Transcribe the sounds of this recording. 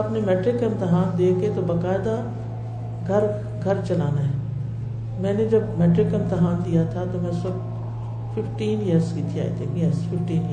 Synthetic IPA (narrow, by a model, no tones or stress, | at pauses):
aːpnemɛːʈɾɪkə̃mt̪ɪɦaːnd̪eːket̪obɐkaːɪd̪a | ɡʱɐɾ | ɡʱɐɾt͡ʃɐlaːnaɦɛ | mɛ̃ːned͡ʒɐbmɛːʈɾɪkə̃mt̪ɪɦaːnd̪ijat̪ʰat̪omɛ̃ːsɐb̚ | fɪfʈiːnijəɾskiːt̪ʰia̰ːḭt̪ʰẽkjəɾsfɪfʈiːni